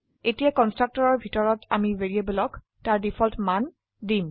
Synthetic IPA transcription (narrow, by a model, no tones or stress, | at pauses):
etijakɔnstɹak̚tɔɹɔɹbʱitɔɹɔtamiveɹiebulɔk | taɹdipʰɔltman | dim